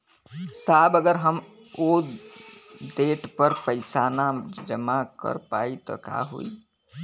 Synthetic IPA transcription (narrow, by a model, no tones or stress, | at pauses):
saːbəɡəɾɦəm | o | d̪eʈpəɾpəɪsanad͡ʒəmakə̰ɾpait̪ɔ̰ka̰ɦṵḭ